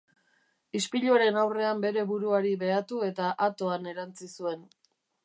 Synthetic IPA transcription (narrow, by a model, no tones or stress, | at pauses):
ispiʎuaɾe̞nawre̞ambe̞ɾe̞βuɾuaɾiβe̞at̪ue̞t̪aʔat̪o̞ane̞ɾant͡sisue̞n